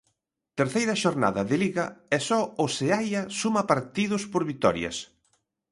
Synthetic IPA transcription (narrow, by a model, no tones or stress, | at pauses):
t̪eɾθejɾɐʃoɾna̰ðɐðɪliɣɐɛsɔoseajɐsumɐpaɾt̪iðʊspoɾβit̪ɔ̰ɾjɐ̰s